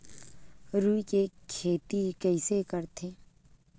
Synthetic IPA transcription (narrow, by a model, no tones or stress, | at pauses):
ɾuːikekʰeːʈ̪ikɛɪsekəɾt̪ʰeː